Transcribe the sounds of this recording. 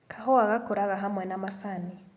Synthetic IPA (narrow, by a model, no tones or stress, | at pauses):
kʰaɦɔwaɣakoɾaɣaɦamwɛnamasani